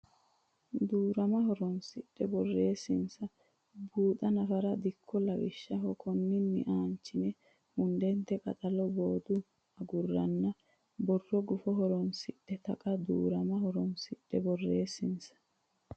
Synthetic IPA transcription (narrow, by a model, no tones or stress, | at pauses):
d̪uːɾɐmɐhɔɾɔnsɪɗːɛbɔrːe̞ːsːɪnsɐ | buːt̪ɐnɐfɐɾɐd̪ɪkʰːɔlɐwɪ̰ʃːɐɦɔkʰɔnːɪnːɪ̰ʔaːnt͡ʃːɪnɛ | hʊnd̪ɛnt̪ːɛkʼɐ̰t̪ʼɐlɔboːd̪ʊ | ɐɡʊrːɐnːɐ | bɔrːɔɡʊfɔɦɔɾɔnsɪɗːɛt̪ɐkʼɐd̪ṵːɾɐmɐhɔɾɔnsɪɗːɛbɔrːeːsɪnsɐ̥